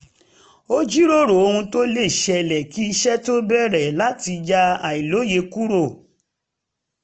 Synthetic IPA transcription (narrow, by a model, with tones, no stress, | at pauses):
o˦d͡ʒi˦ɾo˦˨ɾo˨o˧hũ˧to˦le˦˨ʃɛ˧˨lɛ˨ki˦i˧ʃɛ˦to˦bɛ˦˨ɾɛ˨la˨˦ti˧d͡ʒa˧a˨i˨lo˨˦je˧ku˦ɾo˦˨